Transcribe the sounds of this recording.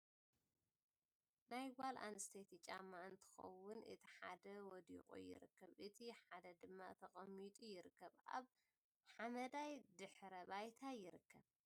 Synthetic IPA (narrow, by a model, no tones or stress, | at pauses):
najwalʔa̰nɨst̪ʰet̪ʰit͡ʃʼamːaɨnt̪ʰɨ̥xɐ̰wʊnʔɨ̰t̪ʰiħad̪ɐwɔd̪ḭqʼṵjɪ̰ɾɨ̰kːɐβʔɨt̪ʰiħad̪ɐd̪ɨmːat̪ʰɐχʼɐmːit̪ʼujɪɾɨkːɐβa̰β | ħamɐd̪ajd̪ɨħɾɐβajt̪ʰajɪɾɨkːɐβ